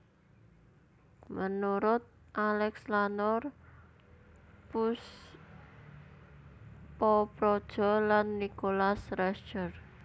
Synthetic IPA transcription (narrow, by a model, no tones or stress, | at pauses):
mənuɾʊt̪̚ʔalɛkslanɔr | pʊs | pɔpɾɔd̥ʒ̥ɔ̤lanːikolasɾɛst͡ʃər